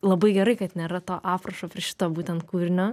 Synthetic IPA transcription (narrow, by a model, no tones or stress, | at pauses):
lˠɐbɐɪɡʲɛɾɐɪkɐt̪nʲeːɾɐt̪oːʔɑːpɾɐʃoːpʲɾʲiɛʃʲɪ̥t̪oːbuːtʲɛnt̪̚kuːɾʲɪnʲoː